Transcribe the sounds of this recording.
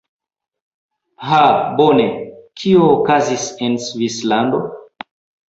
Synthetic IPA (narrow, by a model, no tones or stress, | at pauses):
habonekʰioːkazisensvislando